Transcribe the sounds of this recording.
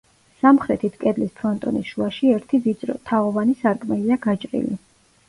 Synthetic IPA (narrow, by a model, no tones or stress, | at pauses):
samχɾɛt̪ʰit̪ʰkʼɛd̪lispʰɾɔnt̪ʼɔ̰nisʃuaʃiɛɾt̪ʰivid̪sʼɾɔ̰t̪ʰaɔvanisaɾkʼmɛliaɡat͡ʃʼɾḭlḭ